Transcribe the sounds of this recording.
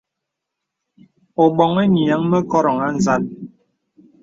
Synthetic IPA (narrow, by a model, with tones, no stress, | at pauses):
ɔ˨ɓɔ˨ŋe˦ɲi˨a˨˦ŋmə˦kɔ˦ɾɔ˨ŋa˦n̩˨za˦n